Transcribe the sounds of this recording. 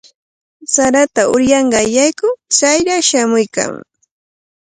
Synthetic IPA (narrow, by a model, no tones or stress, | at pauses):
saɾat̪aʊɾjɑɴɢɑjajkʊt͡sajɾaʃamʊjka̰ŋ